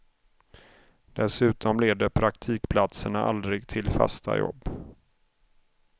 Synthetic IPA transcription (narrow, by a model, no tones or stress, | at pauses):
d̪̥ɛsʉ̟ːt̪ɔmleːd̪əpʰɾakt̪ʰiːkpʰlat̪səɳaʔa̰ld̪ɾɪɡt̪ʰɪlfa̰st̪a̰jɔ̰bː